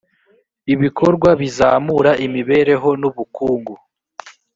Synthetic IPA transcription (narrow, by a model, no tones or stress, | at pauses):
iβikʰo̞ɾɡwaβizaːmuɾaʔimiβe̞ːɾe̞ɦo̞nuβukuːŋɡu